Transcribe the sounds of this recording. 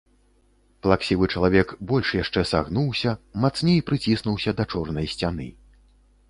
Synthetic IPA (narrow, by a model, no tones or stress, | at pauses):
plˠaksʲivɨt͡ʂɐlˠavʲɛkbɔlʲʂjaʂt͡ʂɛsa̰ɣnuwsʲɐmat̪snʲejpɾɨt͡sʲisnuwsʲɐd̪ɐt͡ʂɔrnɐjsʲt͡sʲanɨ̰